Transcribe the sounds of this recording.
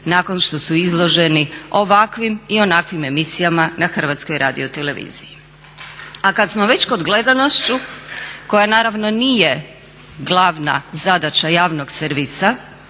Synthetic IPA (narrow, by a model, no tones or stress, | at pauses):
nako̞nʃt̪o̞suizlˠo̞ʒe̞nio̞ʋakʋimio̞nakʋime̞misijamanaxr̩ʋat̪skojɾʔaːd̪ḭo̞t̪ele̞ʋḭz̥iji | akat̪smo̞ʋe̞t͡ɕkod̪ɡle̞d̪ano̞ʃt͡ɕuko̞janaːɾaʋno̞nije̞ | ɡlˠaʋna̰zad̪at͡ɕajaːʋno̞ɡseɾʋisa